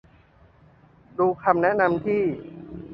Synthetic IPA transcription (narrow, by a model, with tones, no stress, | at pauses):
duː˧kʰa˧mnɛ˦˥ʔna˧mt̪ʰiː˥˩